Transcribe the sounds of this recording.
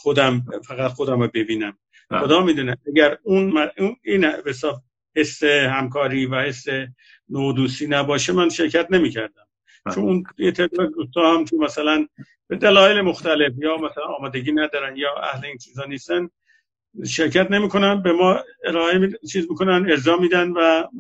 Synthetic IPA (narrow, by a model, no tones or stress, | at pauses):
xod̪æmfæɣæt̪xo̞d̪æmobe̞biːnæm | xod̪ɒːmiːd̪uːneʔæɡæɾunmæuniːnæbesɒːb | he̞sːehæmkʰɒːɾiːvæhe̞sːe | nod̪uːsiːnæbɒːʃemænʃeɾcʰæt̪ne̞miːcʰæɾd̪æm | t͡ʃʰonunjet̪ʰed̪ːzd̪uːst̪ɒːhæmkʰemæsælæn | b̥e̞d̪ælɒːjelemo̞xt̪æle̞fjɒːmæsælænɒːmɒːd̪e̞ɡiːnæd̪ɒːɾænjɒːʔæ̰hleint͡ʃʰiːzhɒːniːst̪æn | ʃeɾcʰæt̪ne̞miːkʰo̞nænbemɒːeɾɒːemit͡ʃʰiːzmikʰo̞næne̞ɾzɒːmiːd̪ænvæ